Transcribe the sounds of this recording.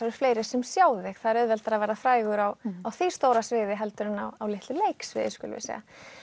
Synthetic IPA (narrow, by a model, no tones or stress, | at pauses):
aɾʏ̥fleːjɾɪ̥sɛmsjaːwðɪxθaðɾœðvɛlt̪aɾavɛːɾafɾaːjɣʏɾawawθist̪oːwɾasvɪːðɪɦɛlt̪ʏɾɪnawawlɪht̪lʏleːjksvɪ̰ðɪskʏ̰l̰vɪ̰sɛ̰ɣa̰